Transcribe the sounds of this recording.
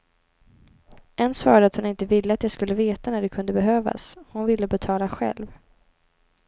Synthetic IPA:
ʔɛnsvɑ̰ːɾaɖ̪əat̪hʊnɪnt̪əvɪlːəat̪jaskɵlːəveːt̪anæɖɛkʰɵnd̪əbɛɦøːva̰shʊnvɪlːəbɛt̪ʰɑːlaɧɛ̰lv

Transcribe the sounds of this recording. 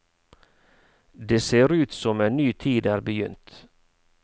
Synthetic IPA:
d̪eːseːɾʉːt̪sɔmeːnnyːt̪ʰiːd̪æːɾbəjʏ̰nt̪

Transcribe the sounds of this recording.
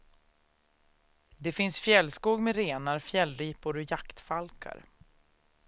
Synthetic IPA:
d̪ɛfɪnsfjɛlːskuːɡmɛɾeːnaɾfjɛlːɾiːpʊɾɔjakt̪falkʰa̰ɾ

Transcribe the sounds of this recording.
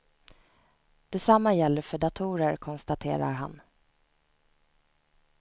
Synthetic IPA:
d̪̥ɛsamːajɛlːəfœɖat̪ʰuːɾəɾkʰɔnst̪at̪ʰḛːɾa̰ɾɦa̰n

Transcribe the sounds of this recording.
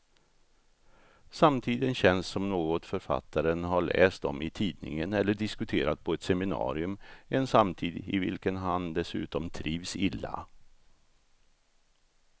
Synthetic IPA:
samt̪ʰiːd̪ənɕɛnsːɔmnoːɡɔt̪fœɾfa̰t̪ʰːaɾənɦaɭɛ̰ːst̪ɔ̰mɪt̪ʰiːd̪nɪ̰ŋənɛlːəɖɪskɵt̪ʰeːɾat̪̚pʰɔɛt̪sɛmɪnɑ̰ːɾɪɵmɛnsamt̪ʰiːd̪ɪvɪ̰lkənɦand̪ɛsʉ̟̰ːt̪ɔmt̪ʰɾiːvsɪlːa̰

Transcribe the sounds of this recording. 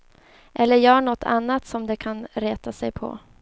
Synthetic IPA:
ʔɛlːəɾjœːɳɔt̪ʰːa̰nːat̪sɔmd̪ɛkʰanɾeːt̪asɛjpʰɔ̰

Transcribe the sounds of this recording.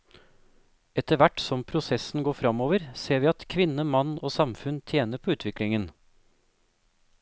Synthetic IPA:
ɛt̪əʋæʈsɔmpʰɾʊsɛsn̩ɡoːfɾɑmoːʋəɾseːʋiːɑt̪kʰʋɪnəmɑnoːsɑmfʉnt̪ʰjeːnəpʰoːʉːt̪ʰʋɪklɪŋən

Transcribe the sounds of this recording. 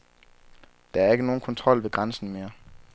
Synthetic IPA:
d̥ɑ̈æɐe̝ɡ̥əno̝ːn̩kʰɒ̽nt͡sʰʁɒ̽l̰ʋe̝ɡ̥ʁɑnsn̩me̝ːɐ

